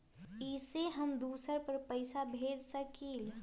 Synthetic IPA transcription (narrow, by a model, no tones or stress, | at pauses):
iseɦəmd̪uːsəɾpəɾpəɪsabʱeːd̪səkil